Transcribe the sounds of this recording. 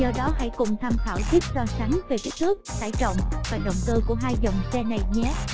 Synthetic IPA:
zɔ˧ɗɔ˨˦ɦa̰˧˥˨jkʊ˨˩ŋ͡mt̪ʰaː˧mt̪ʰa̰ː˧˩wzi˦˥t̚sɔ˧sa˨˦ŋve˨˩ka˦˥k̚t̪nʰɨ˦˥ək̚t̪a̰ː˧˩jt͡ɕə̰˧˨wŋ͡mvaː˨˩ɗə̰˧˨wŋ͡mk̪ɨː˧ku˧˩əɦaː˧jzə˨˩wŋ͡msɛ˧na˨˩jɲɛ˨˦

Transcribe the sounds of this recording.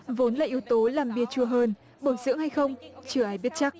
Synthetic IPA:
vo˨˦nlaː˨˩ʔi˨˦əwt̪o˨˦laː˨˩mɓi˨˩ət͡ɕu˧˩əɦəː˧n | ɓo˧˩jzɨ̰˧˥əŋha˧jxə˧wŋ͡mt͡ɕɨ˧˩əʔaː˨˦jɓi˦˥ət̚t͡ɕa˦˥k̚

